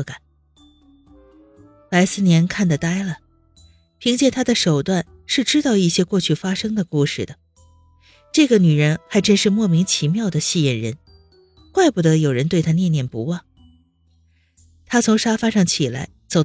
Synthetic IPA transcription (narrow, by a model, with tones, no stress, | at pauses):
ka˨˩˦n | la˧˥ɪsɹ̩˥˩njɛ˧˥nkʰa˥˩nd̪ə˩t̪a˥ɪlə˨ | pʰi˧˥ŋt͡ɕjɛ˥˩nt̪ʰa˥d̪ə˨ʂo˨˩ʊt̪wa˥˩n | ʂɻ̩˥˩ʈ͡ʂɻ̩˥t̪ɑ˥˧ʊi˥˩ɕjɛ˥kwɔ˥˧t͡ɕʰy˥˩fa˥ʂɤ˥ŋd̪ə˨ku˥˧ʂɻ̩˥˩d̪ə˩ | ʈ͡ʂɤ˥˩ɡə˩ny˨˩ɻə˧˥nxa˧˥ɪʈ͡ʂə˥nʂɻ̩˥˧mwɔ˥˩mi˧˥ŋt͡ɕʰi˧˥mjɑ˥˩ʊd̪ə˩ɕi˥˩jɛ˥˩nɻə̰˧˥n | kwa˥˧ɪpu˥˩d̪ɤ˧˥jo˨˩ʊɻə˧˥nt̪we˥˩ɪt̪ʰa˥njɛ˥˧njɛ˥˩npṵ˧˥wɑ˥˩ŋ | t̪ʰa˥t͡sʰʊ˧˥ŋʂa˥fa˥ʂɑ˥˩ŋt͡ɕʰi˨˩la̰˧˥ɪt͡so˨˩ʊ